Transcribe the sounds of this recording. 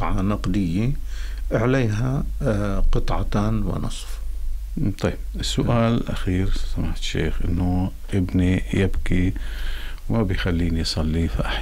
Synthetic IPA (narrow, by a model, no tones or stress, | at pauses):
ʕɑnɑqd̪ɪjːeʔaʕleːɦa | qɨt̪ˤʕɑt̪aːnwɪ̰nɑ̰sˤf | t̪ˤɑjːb̥̚ɪsːʊʔʔaːllʔa̰xiːɾsamaħt̪ʃḛːxʔɪnːʊ | ʔɪbnijɪbki | wmabɪjxalːiːnijsˤɑlːifaʔa